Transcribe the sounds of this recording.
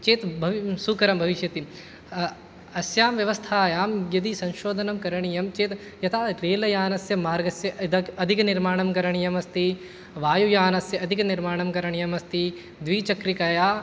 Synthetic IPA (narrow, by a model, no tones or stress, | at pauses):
t͡ʃeːt̪bʱɐʋsukɐɾɐmbʱɐʋiʃjɐt̪i | ɐsjaːmʋjɐʋɐst̪ʰaːjaːmjɐd̪isɐ̃nʃoːd̪ʱɐnɐmkɐɾɐɳ̃ijɐmt͡ʃeːt̪ | jɐt̪ʰaːɾeːlɐjaːnɐsjɐmaːɾɡɐsjɐʔd̪ɐɐd̪ʱikniɾmaːɳɐmkɐɾɐɳ̃ijɐmɐst̪i | ʋaːjujaːnɐsjɐɐd̪ʱikniɾmaːɳɐmkɐɾɐɳijɐmɐst̪i | d̪ʋiːt͡ʃɐkɾikɐjaː